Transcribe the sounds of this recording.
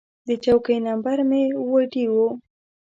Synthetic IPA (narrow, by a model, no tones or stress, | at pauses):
d̪ət͡ʃawkəjnambaɾmewəʈiwu